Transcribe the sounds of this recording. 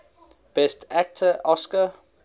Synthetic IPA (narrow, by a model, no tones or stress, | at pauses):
b̥ɛstʰæk̚tʰəʔɔskə